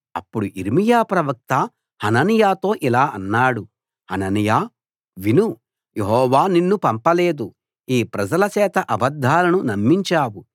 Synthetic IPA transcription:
ɐpːuɽuʔiɾmijaːpɾɐʋɐk̚t̪ɐ | hɐnɐnijaːt̪o̞ːʔilaːʔɐnːaːɽu | hɐnɐnijaː | ʋinu | jeɦɔːʋaːninːupɐmpɐle̞ːd̪u | iːpɾɐd͡ʒɐlɐt͡ʃɛːt̪ɐʔɐbɐd̪ʱːaːlɐnunɐmːiɲt͡ʃaːwu

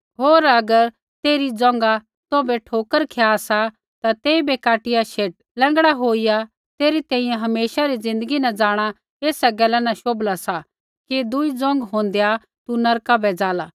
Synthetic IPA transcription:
ɦoːɾɐɡəɾ | t̪eːɾid͡zɔ̃ŋɡa | t̪obɛʈʰoːkəɾkʰejasa | t̪at̪eːibɛkaːʈɪjaʃeːʈ̚lɛ̃ːŋɡɽaɦoːija | t̪eːɾit̪ɛ̃ːĩjɛ̃ɦɐmeːʃaɾid͡zɪ̃nd̪əɡinɛd͡zaːɽ̃a | eːsɛɡɛlɛnɐʃoːblasa | kid̪ʊid͡zɔ̃ŋɡɦõːn̆d̪eja | t̪unɐɾkabɛd͡zaːlaː

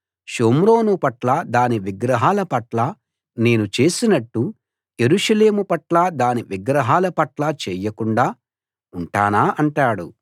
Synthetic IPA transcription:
ʃoːmɾo̞ːnupɐʈlɐd̪aːniʋiɡɾɐɦaːlɐpɐʈla | ne̞ːnut͡ʃe̞ːsinɐʈːu | je̞ɾuʃɐle̞ːmupɐʈlad̪aːniʋiɡɾɐɦaːlɐpɐʈlat͡ʃɛːjɐkuɳɖaː | uɳʈaːnaːʔɐɳʈaːɽu

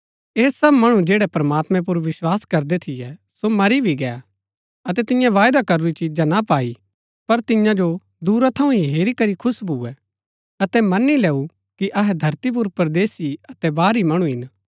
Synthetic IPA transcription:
eːsɐbmɐɽ̃ũd͡ʒeːɽɛpɾɐmaːt̪mɛ̃p̬ʊɾʋɪswaːskɐɾd̪ɛt̪ʰɪjɛ | somɐɾibʱiɡɛːa̰ | ɐt̪ɛt̪ɪjãʋaːjd̪akɐɾuɾit͡ʃiːd͡ʒanapaːi | pɐɾt̪ɪjãd͡ʒo | d̪uːɾat̪ʰɐũɦiɦeːɾikɐɾikʰʊsbʱuːɛ | ɐt̪ɛmɐnilɛːu | kiʔɐɦɛd̪ʱɐɾt̪ip̬ʊɾpɐɾd̪eːsiɐt̪ɛbaːɾimɐɽ̃ũɦɪn

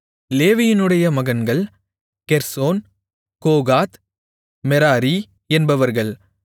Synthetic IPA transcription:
leːʋɪjɪnɯɽɐjɐmɐɣɐnɡɐɭ | kɛɾsoːn | koːɣaːt̪ | mɛɾaːɾi | ɛnbɐʋɐɾɣɐɭ

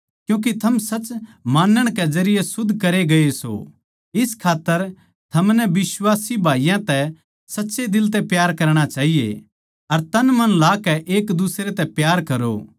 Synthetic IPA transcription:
kjũːk̬it̪ʰɐmsɐt͡ʃmaːnːəɽ̃kɛzɐɾɪjesʊd̪ʱːkɐɾeɡɐeso̰ | ɪskʰaːt̪ːəɾ | t̪ʰɐmnɛbɪswaːsibʱaːijãt̪ɛ | sɐtːʃed̪ɪlt̪ɛpjaːɾkɐɾɽ̃at͡ʃaːɦijḛ | ɐɾt̪ɐnmɐnlaːkɛʔeːkd̪usɾet̪ɛpjaːɾkɐɾo̰

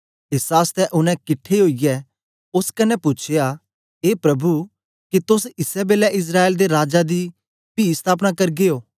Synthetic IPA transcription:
ɪsaːst̪ɛʔʊnɛ̃kɪʈʰːeɦoːijɛ | ʊskɐnːɛpʊːt͡ʃʰeja | eːpɾɐbu | kit̪ʊs̬ɪsɛbeːlɛʔɪs̬ɾaːeːld̪eɾaːd͡ʒad̪i | piːst̪ʰaːpnakɐɾɡeoː

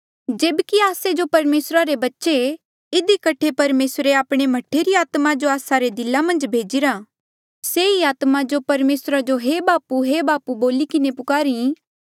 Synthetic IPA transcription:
d͡ʒeːbkiaːsed͡ʒopɐɾmeːsɾaɾebɐtːʃe | ɪd̪ikɐʈʰepɐɾmeːsɾeaːpɽ̃emɐʈʰːeɾiaːt̪mad͡ʒoaːsaɾed̪ɪlamɐ̃nd͡ʒbʱeːd͡ʒɪɾa | seiaːt̪mad͡ʒopɐɾmeːsɾad͡ʒoɦebaːpuɦebaːpuboːlikɪnepʊkaːɾĩ

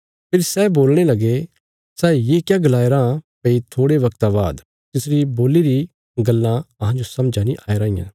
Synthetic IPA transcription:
pʰɪɾsɛboːlɽ̃elɐɡe | sɛːjeːkjaɡɐlaːeɾãpɐit̪ʰoːɽeʋɐkt̪aba̰ːd̪ | t̪ɪsɾiboːliɾi | ɡɐlːãɐɦãd͡ʒosɐ̃md͡ʒanĩʔaːeɾaːijã̰

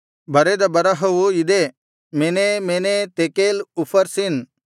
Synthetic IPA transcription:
bʱɐɾed̪ɐbɐɾaɦowuid̪e | menemenet̪ekelupʰəɾsin

